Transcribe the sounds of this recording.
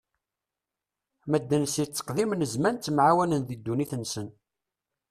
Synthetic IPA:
mæd̪ːənsit͡sːə̥qðimnəzmænt̪ːmʕawælənðid̪ːuniθənsən

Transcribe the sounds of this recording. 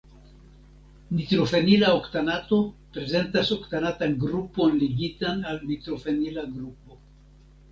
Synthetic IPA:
nitɾo̞fe̞nilaoktanato̞pɾe̞ze̞ntaso̞ktanatanɡɾupo̞nliɡitanalnitɾo̞fenilaɡɾup̚o̞

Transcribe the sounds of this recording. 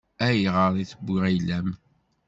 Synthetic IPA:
æjʁəɾˤiθəbːiʁæjlæm

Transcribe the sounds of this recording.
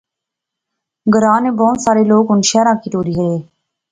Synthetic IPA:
ɡəɾaːneːbɔːt̪saːɾeːloːkɦʊnʃaːɾãːkʰiːt̪oːɾiːɦəeː

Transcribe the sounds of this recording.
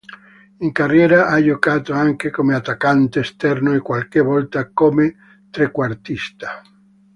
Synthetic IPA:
iŋkarːjɛːɾaʔad͡ʒokaːt̪oaŋkekomeat̪ːakant̪eːst̪ɛrnoekwalkevɔlt̪akome | t̪ɾekwart̪ist̪ḁ

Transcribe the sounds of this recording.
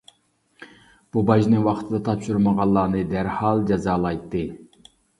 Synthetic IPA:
b̥ubɑʒnɨŋwɑqt̪ʰɨd̪ɑt̪ʰɑpʃuɾməʁɑlˠːɑːnɨd̪æɾhɑlˠd͡ʒɑzɑːlˠɑjt̪ːɨ

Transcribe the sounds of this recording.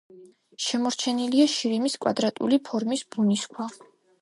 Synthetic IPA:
ʃɛmɔɾt͡ʃʰɛniliaʃiɾimiskʼwa̰d̪ɾat̪ʼṵlipʰɔɾmisb̥uniskʰwa

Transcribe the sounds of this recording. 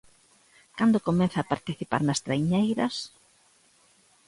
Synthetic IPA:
kand̪okomɛ̃nθɐːpaɾt̪iθipa̰ɾnɐst̪ɾajɲejɾɐs

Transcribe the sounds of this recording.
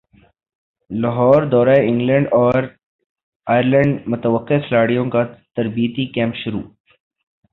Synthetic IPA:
lɐɦɔːɾd̪ɔːɾaːeɪ̃ŋɡlɛ̃ɳɖɔːɾ | aːjəɾlɛ̃ɳɖmʊt̪əʋəqːeslaːɽijõkat̪ɐɾbiːət̪ikɛ̃ːmpʃʊɾṵː

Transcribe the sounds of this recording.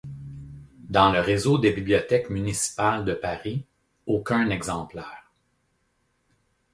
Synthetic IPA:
d̪ɑ̃ləʁezod̪ebibliɔt̪ɛkmynisi̥pald̪əpaʁi | okʲɛ̃nɛɡzɑ̃plɛːʁ

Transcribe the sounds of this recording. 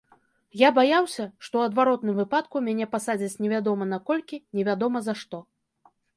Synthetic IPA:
jabajawsʲɐʂt̪ɔwɐd̪vaɾɔt̪̚nɨmvɨpat̪kumʲanʲɛpasad͡zʲit͡sʲnʲɛvʲad̪ɔmɐnakɔlʲkʲinʲɛvʲad̪ɔmɐzɐʂt̪ɔ

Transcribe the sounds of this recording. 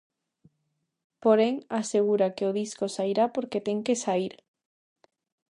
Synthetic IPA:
poɾeŋaseɣ̞uɾakeoðiskosaiɾapoɾket̪eŋkesaiɾ

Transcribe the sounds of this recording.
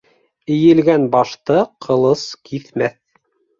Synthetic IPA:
ɘ̆jɘ̆lɡænbɑʃt̪ɤqʰɤ̆lˠɤskʰiθmæθ

